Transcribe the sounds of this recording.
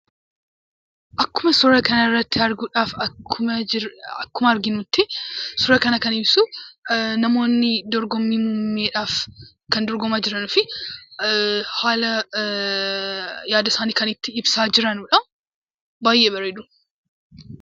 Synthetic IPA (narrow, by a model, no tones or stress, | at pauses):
ʔɐkːʊmɐsʊɾɐkɐnɐɪrːɐt̪ːɪɐɾɡuːᶑaːfɐkːʊmɐɐkːʊmɐɐɾɡɪnut̪ːɪsʊɾɐkɐnɐkɐnɪbsu | nɐmo̞ːnːɪd̪ɔɾɡɔmːimuːmeːᶑaːf | kɐnd̪ɔɾɡɔmaːd͡ʒɪɾɐnʊfɪ | haːlɐ | jaːd̪ɐsaːniːkɐnɪt̪ːɪɪbsaːd͡ʒɪɾɐnʊᶑɐm | baːjʔeːbɐɾed̪ʊ